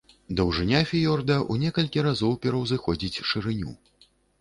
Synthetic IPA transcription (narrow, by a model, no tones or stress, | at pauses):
d̪ɐwʐɨnʲafʲijɔrd̪ɐʔunʲɛkɐlʲkʲiɾazɔwpʲɛɾɐwzɨxɔd͡zʲit͡sʲʂɨɾɨnʲṵ